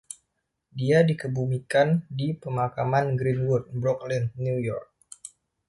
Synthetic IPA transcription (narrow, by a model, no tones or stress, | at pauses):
diadikəbumikandipəmakamanɡɾinwʊrt̪̚bɾɔklɛnnujɔrk̚